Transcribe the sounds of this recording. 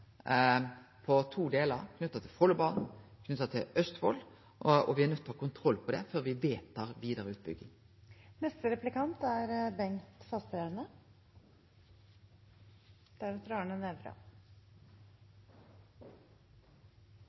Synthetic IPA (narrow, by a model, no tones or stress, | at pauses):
pʰɔt̪ʰuːd̪eːləɾkʰnʉt̪ːɑt̪ʰɪfɔlːəbɑːnn̩kʰnʉt̪ːɑt̪ʰɪlœst̪fɔ̰l | ɔʋɪæʁnœt̪ːɔhɑkʊnt̪ʰʁɔlːpʰɔd̪ɛ̰føːʁʋɪʋeːt̪ʰɑːʁʋiːd̪əʁəʉːt̪̚bʏɡːɪŋ | nɛst̪əɾɛplɪkɑnt̪æɾbɛŋt̪fɑst̪ɾeɾnə | d̪̥ɛæɾɑt̪ɾɑːɳənɛʋɾɑ̰